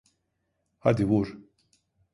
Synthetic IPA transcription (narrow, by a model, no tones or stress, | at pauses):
had̪iwuɾ